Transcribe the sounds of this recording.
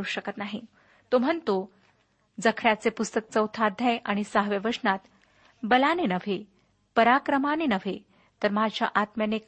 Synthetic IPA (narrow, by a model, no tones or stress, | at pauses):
uɕəkət̪naɦi | t̪om̤ənt̪o | d͡zəkʰɽjat͡sepust̪ək̚t͡səwt̪ʰad̪ʱjajʔaɽ̃isaɦʋjeʋəʂnat̪ | bəlanenəʋ̤ʱe | pəɾakɾəmanenəʋ̤ʱe | t̪əɾmad͡ʑʱja̰ʔat̪mjanek